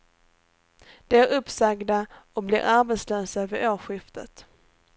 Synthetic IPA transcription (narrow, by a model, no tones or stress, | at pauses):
d̪̥ɛæɾɵpsaɡd̪aɔblɪ̰ɾʔaɾbɛt̪sløːsaøvəɾʔoːɧɪft̪ə̰t̪